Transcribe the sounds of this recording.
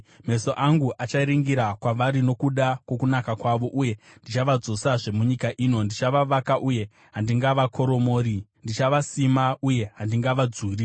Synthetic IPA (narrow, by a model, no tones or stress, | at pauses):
me̞so̞ʔaŋɡuʔat͡ʃaiɾiŋɡiɾakwaʋaɾino̞kuɗakwo̞kunakakwaʋo̞ʔuje̞ | ndit͡ʃaʋad͡zo̞saʐe̞muɲikaʔino̞ndit͡ʃaʋaʋakaʔuje̞ | ɦandiŋɡaʋakʰo̞ɾo̞mo̞ːɾindit͡ʃaʋasimauje̞ɦandiŋɡaʋad͡zuːri